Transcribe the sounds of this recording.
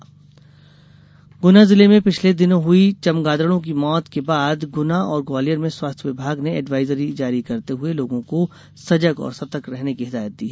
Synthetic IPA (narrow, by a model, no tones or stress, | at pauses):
ɡʊnazɪlemẽpɪt͡ʃʰled̪ɪnõɦʊit͡ʃɐmɡaːd̪ɾəɽõk̬imɔːt̪kebaːd̪ɡʊnaɔːɾɡɔːlijəɾmẽswaːst̪ʰjʋɪbʱaːɡneɛːɖʋaːɪzəɾid͡ʒaːɾikɐɾt̪eɦʊeloːɡõko | sɐd͡ʒəɡɔ̰ːɾsɐt̪əkɾɛɦnekiɦɪd̪aːjət̪̚d̪iːɦɛː